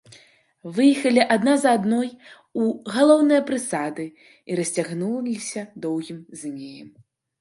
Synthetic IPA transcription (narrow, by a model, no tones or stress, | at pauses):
vɨjixɐlʲiʔad̪nazɐad̪nɔj | uɣalˠɔwnɨjɐpɾɨsad̪ɨ | iɾɐsʲt͡sʲaɣnulʲisʲɐd̪ɔwɣʲimznʲejɛm